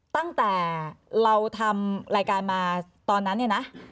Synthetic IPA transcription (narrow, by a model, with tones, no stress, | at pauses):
t̪a˥˩ŋt̪ɛː˨˩ɾa˧wt̪ʰa˧mɾaː˧jkaː˧nmaː˧ | t̪ɔː˧nː˦˥nːi˥˩na˦˥ʔ